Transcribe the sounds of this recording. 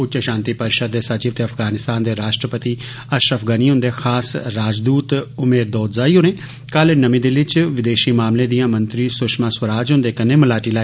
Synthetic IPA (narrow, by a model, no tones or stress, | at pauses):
ʊt͡ʃəʃãːnt̪iːpəɾɪʃəd̪ːeːsat͡ʃiːʋət̪eːəpʰfʰɡaːnɪst̪aːnd̪eːɾaːʃʈɾəpət̪iː | əʃɾəfʰɡəniːɦʊ̃nd̪eːxʰaːsɾaːd͡ʒd̪uːt̪ʊmeːɾd̪ɔːt̪zaːiːɦʊnẽː | kəlnəmĩːd̪ɪlɪt͡ʃʋɪd̪eːʃiːmaːmlẽːd̪ijãːmənt̪ɾiːsʊʃmãːswəɾaːd͡ʒɦʊ̃nd̪eːkənẽːməlaːʈiːlaː